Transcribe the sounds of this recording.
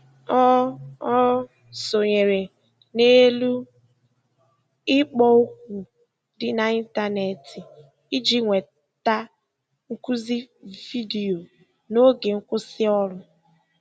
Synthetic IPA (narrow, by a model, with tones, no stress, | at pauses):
ɔ˦ɔ˦ | so˨ɲe˨ɾe˨ | ne˦lu˦ | ɪ˦k͡pɔ˦ʊ˦kʷu˨ | dɪ˦na˨i˦n˦ta˦ne˨tʰi˨ | i˦d͡ʒi˦ŋʷe˨ | ta˦ | ŋ̩˦ku˦zi˦vi˦di˨o˨ | no˦ɡe˨ŋ̩˦kʷʊ˦sɪ˦ɔ˦ɾʊ˦